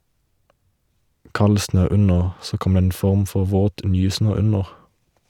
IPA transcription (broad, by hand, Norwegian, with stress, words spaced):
ˈkɑl ˈsnøː ˈʉnəʁ ˈsoː ˈkɔm ˈdeː ˈeːn ˈfɔʁm ˈfɔʁ ˈʋoːt ˈnyːˌsnøː ˈʉnəʁ